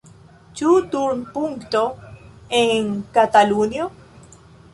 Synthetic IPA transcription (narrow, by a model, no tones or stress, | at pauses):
t͡ʃut̪uɾnpuŋkt̪oeŋkat̪alunjo